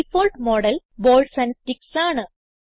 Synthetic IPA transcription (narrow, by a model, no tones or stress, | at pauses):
ifoːlʈmoːɽɐl | boːlɖsɐnsʈiksaːɳɨ